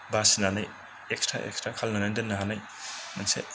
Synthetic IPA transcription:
basinanaj | ekstɾa̰ʔḛkstɾakʰalnanandɐnːaɦanaj | mansḛ

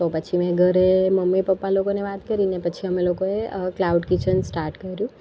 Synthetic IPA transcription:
t̪opət͡ʃʰimɛ̃ɡʱəɾeməmːipəpːalokoneʋat̪kəɾinepət͡ʃʰiəmelokoeklauɖkit͡ʃʰənsʈaɾʈkəɾjũ

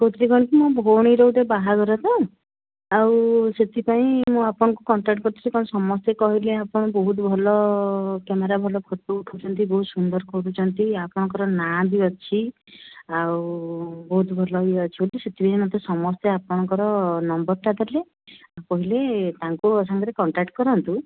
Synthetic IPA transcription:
kot̪iɾiɡɔɽ̃ikimɔ̃bʱoɽ̃iɾowʈebaɦaɡɔɾat̪aũ | awset̪ʰipaĩmũapɔɽ̃ɔŋkukɔɳʈɾak̚ʈ̚kɔɾt̪ʰiɾekɔɽ̃sɔmɔst̪ekɔɦileapɔɽ̃ɔbɔɦut̪bʱɔlɔkemeɾabʱɔlɔpʰɔt̪ːuuʈʰut͡ʃʰɔnt̪ibɔɦut̪sund̪ɔɾkɔɾut͡ʃʰɔnt̪iapɔɽ̃ŋkɔɾɔnad̪iɔt͡ʃʰi | awbɔɦut̪bʱɔlɔiɔt͡ʃʰiboliset̪ʰipaĩmat̪esɔmɔst̪eapɔɽ̃ɔŋkɔɾɔnɔmbɔɾt̪ad̪ɔɾle | apɔɦilet̪aŋkuɔsaŋɡɔɾekɔɳʈakʈkɔɾɔnt̪u

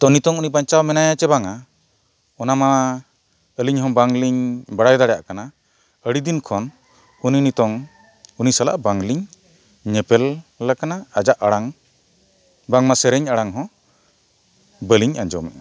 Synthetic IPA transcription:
t̪ɔnit̪ɔŋuniʔbaɲt͡ʃawmɛnajat͡ʃɛbaŋa | ɔnama | əliɲɦɔ̃baŋliɲbaɽajd̪aɽɛja̰ʔkana | əɽid̪inkʰɔn | uninit̪ɔŋ | unisala̰ʔbaŋliɲ | ɲɛpɛlːakanaːd͡ʒaʔaɽaŋ | baŋmasɛɾɛɲaɽaŋɦɔ̃ | bəliɲa̰ɲd͡ʒɔ̰mɛ̰ʔa̰

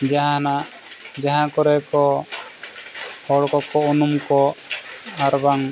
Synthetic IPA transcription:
d͡ʒaɦãnaʔ | d͡ʒaɦãkɔɾɛkɔ | hɔɽkɔkɔunumkɔ | aɾbaŋ

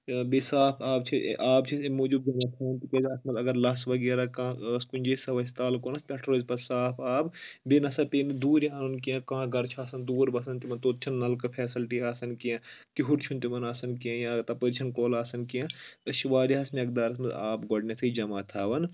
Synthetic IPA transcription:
besaːpʰaːb̚t͡ʃʰḭʔaːb̚t͡ʃʰimuːd͡ʒub̚d͡ʒɐmaːt̪ʰaːʋɐnt̪ikeːd͡ʒ̪ɐsmɐt̪ɐɡɐɾlɐsʋɐɡeːɾakãːskunʲd͡ʒesɐʋɐst̪aːlkoːnɐsʰpʲɛʈʰɾoːzpɐsaːpʰaːbbenɐsɐpeːnid̪uːɾjaːnonkijɐ̃kãːɡɐɾt͡ʃʰaːsɐnd̪uːɾbɐsɐnt̪imɐnt̪oːt̪̚t͡ʃʰɐnːɐlkɨpʰɛːsilʈiaːsɐnkijɐ̃kiɦuɾt͡ʃʰunt̪imɐnaːsɐnkiɐ̃jat̪ɐpəd̪t͡ʃʰɐnkoːlaːsɐnkijɐ̃ɐʃiʋaːɾiɦɐsmɐk̚d̪aːɾɐsmɐt̪aːbɡoɖnʲɐt̪ʰɐd͡ʒɐmaːt̪ʰaːʋɐn

